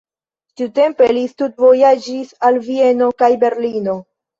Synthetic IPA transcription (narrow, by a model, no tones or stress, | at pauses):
tiute̞mpe̞listut̚vo̞jad͡ʒisalvie̞no̞kajbe̞ɾlino̞